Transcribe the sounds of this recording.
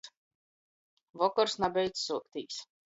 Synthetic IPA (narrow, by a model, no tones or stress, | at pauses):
vɔkɔɾsnabʲɛjt̪ssuɔkt̪iːs